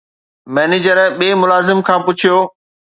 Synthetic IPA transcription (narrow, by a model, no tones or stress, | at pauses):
mɛːneːd͡ʑəɾɓeːmʊlaːzɪmkʰãːpʊt͡ɕʰijoː